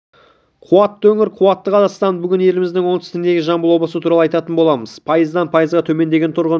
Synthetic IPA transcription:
qʰʊwɑt̪ːəwɵŋʲɪɾqʰʊwɑt̪ːəqʰɑzɑst̪ɑnbʏɡʲɪne̞lɪmɪzd̪ɪŋwo̞nt̪ʰɪ̥st̪ɪnd̪e̞ɡʲɪʒɑmbəlˠwo̞blˠəsət̪ʰuɾɑlˠɑjt̪ɑt̪ənbo̞lˠɑməz̥pʰɑjəzd̪ɑnpʰɑjəzʁɑt̪ʰɵme̞nd̪e̞ɡʲe̞nt̪ʰʊɾʁə

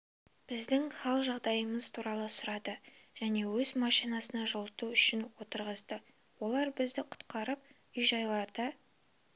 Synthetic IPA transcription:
b̥ɪzd̪ɪŋχɑlˠʒɑʁd̪ɑjəməzt̪ʰuɾɑlˠəsʊɾɑd̪əʒ̥æne̞wɵzmɑʃijnɑsənɑʒʊlˠt̪uʏʃɪnwo̞t̪əɾʁəzd̪ə | wo̞lˠɑɾbɪzd̪ɪqʰʊ̥t̪qɑɾəp̚ | ʏjʒɑjlˠɑɾd̪ə

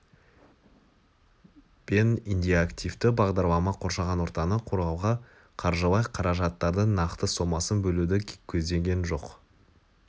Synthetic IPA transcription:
b̥enind̪ʲijakt̪ʲijft̪ɪbɑʁd̪ɑɾlˠɑmɑqʰo̞ɾʃɑʁɑnwoɾt̪ɑnəqʰoɾʁɑwʁɑ | qʰɑɾʒəlˠɑjqʰɑɾɑʒɑt̪ːɑɾd̪ənɑqt̪əso̞mɑsənbɵlud̪ɪkʲʰɵzd̪e̞ŋɡʲe̞nʒo̞q

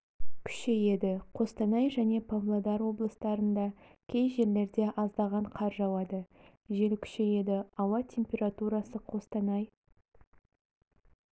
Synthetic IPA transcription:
kʲʰʏ̥ʃe̞je̞d̪ɪqʰo̞st̪ɑnɑjʒæne̞pʰovlˠod̪ɑɾwo̞blˠəst̪ɑɾənd̪ɑkʲʰe̞jʒe̞ɾle̞ɾd̪e̞ʔɑzd̪ɑʁɑɴqʰɑɾʒɑwɑd̪ə | ʒe̞lkʲʰʏ̥ʃe̞je̞d̪ɪɑwɑt̪ʲʰe̞mpʲe̞ɾat̪uɾɑsəqʰo̞st̪ɑnɑj

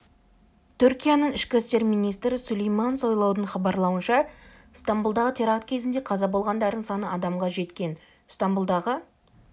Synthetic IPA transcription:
t̪ʰʏɾkʲijanəɴɪʃkʲɪst̪e̞ɾmijnijst̪ɾɪsʊlejmanso̞jlˠɑwd̪əɴχɑbɑɾlˠɑwənʃɑ | st̪ambulˠd̪ɑʁət̪ʰeɾɑqt̪̚kʲʰe̞zɪnd̪e̞qʰɑzɑbo̞lˠʁɑnd̪ɑɾd̪əɴsɑnəɑd̪ɑmʁɑʒe̞t̪kʲe̞n | st̪ambulˠd̪ɑʁə

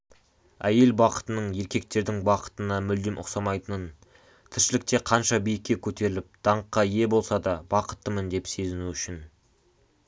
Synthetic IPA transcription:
æje̞lbɑqə̥t̪ənəɴje̞ɾkʲe̞k̚t̪e̞ɾd̪ɪŋbɑqə̥t̪ənɑmʏld̪ɪmʔʊ̰qsɑmɑjt̪ənən | t̪ʰɪɾʃɪlɪk̚t̪e̞qʰɑnʃɑbijɪkʲːe̞kʲʰɵt̪e̞ɾɪlɪp̚d̪̥ɑɴqːɑje̞bo̞lˠsɑd̪ɑbɑqə̥t̪ːəmənd̪e̞pse̞zɪnuʏʃɪn

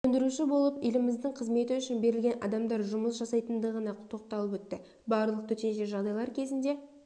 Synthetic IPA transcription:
ɵnd̪ɪɾuʃɪbo̞lˠəpelɪmɪzd̪ɪɴqʰəzme̞t̪ɪʏʃɪnbe̞ɾɪlʲɡʲe̞nʔɑ̰d̪ɑmd̪ɑɾʒʊməsʒɑsɑjt̪ənd̪əʁənɑt̪ʰo̞q̚t̪ɑlˠəpwɵt̪ːɪ | bɑɾlˠəq̚t̪ʰɵt̪e̞nʃeʒɑʁd̪ɑjlˠɑɾkʲʰe̞zɪnd̪e̞

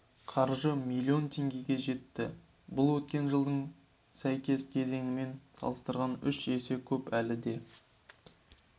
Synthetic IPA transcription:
qʰɑɾʒəmilʲːio̞nt̪ʰe̞ŋɡʲe̞ɡʲe̞ʒe̞t̪ːɪ | bʊlˠwɵt̪kʲe̞nʒəlˠd̪əɴ | sæjkʲe̞skʲʰe̞ze̞ŋɪme̞nsɑ̰lˠəst̪əɾʁɑnʏʃese̞kʲʰɵpælɪd̪e̞

